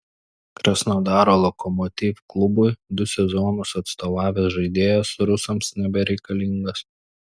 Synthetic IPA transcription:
kɾɐsnɐʊd̪ɑːɾoːlˠɔkɔmɔt̪ʲiːfklˠʊbʊjd̪ʊsʲɛzɔːnʊsɐt̪st̪oːʋɑːʋʲɛsʒɐɪd̪ʲeːjosʊɾʊsɐmsnʲɛbʲɛɾʲɛɪkɐlʲɪŋɡɐs

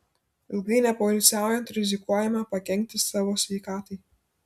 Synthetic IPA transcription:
ɪlˠɡɐɪnʲɛpɔlʲɪt̪sʲæˑʊjɛnt̪ɾʲɪzʲɪkuɔjɛmɐpɐkʲɛŋʲk̚ʲt̪ʲɪsɑːʋoːsʲʋʲɛɪkɑːt̪ɐɪ

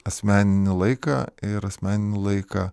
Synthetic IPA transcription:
ɐsʲmʲæːnʲɪnʲɪlˠɐɪkɐ̰ːɪɾɐsʲmʲæːnʲɪnʲɪlˠɐɪkɐː

